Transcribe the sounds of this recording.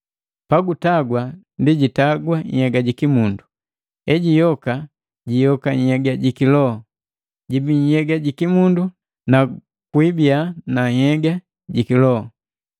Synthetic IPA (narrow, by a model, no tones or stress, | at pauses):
paɡutaɡwandiɟitaɡwaɲ̩̰hɛɡaɟikimundu | ɛɟijɔka | ɟijɔkaɲ̩hɛɡaɟikilɔɔ | ɟibiɲhɛɡaɟikimundu | na | kwibianaɲhɛɡa | ɟikilɔɔ